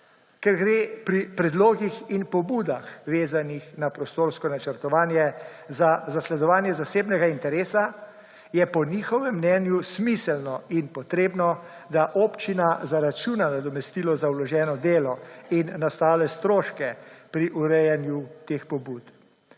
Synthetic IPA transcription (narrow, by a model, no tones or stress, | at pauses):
kɛɾɡɾeːpɾipɾɛd̪loːɡixinpɔbuːd̪axʋeːzanixnapɾɔst̪oːɾskɔnat͡ʃəɾt̪ɔʋaːnjɛzazaslɛd̪ɔʋaːnjɛzaseːbnɛɡaint̪ɛɾeːsa | jɛpɔniːxɔʋɛmːnɛːnjusmisɛlnɔinpɔt̪ɾeːbnɔ | d̪aʔoːpt͡ʃinazaɾat͡ʃunanad̪ɔmɛst̪ilɔzawlɔʒɛːnɔd̪eːlɔinːast̪aːlɛst̪ɾoːʃkɛpɾiʔuɾɛjɛnjut̪eːxpɔbuːt̪